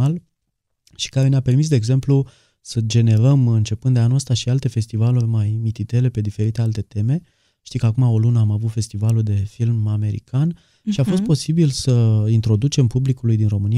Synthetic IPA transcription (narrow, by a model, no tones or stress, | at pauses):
al | ʃi̥kaɾe̞neape̞rmis̬d̪eːɡze̞mplu | səd͡ʒe̞ne̞ɾəmɨnt͡ʃe̞pɨnd̪d̪eanuəst̪aʃialt̪e̞fe̞st̪ivalurmajmit̪it̪e̞le̞pe̞d̪ife̞ɾit̪e̞alt̪e̞t̪e̞me̞ | ʃt̪ikəakumao̞lunəamavut̪fe̞st̪ivalud̪e̞filmame̞ɾḭkan | ʃiafo̞s̬t̪̚po̞sibilsəint̪ɾo̞d̪ut͡ʃe̞mpublikulujd̪inro̞mɨni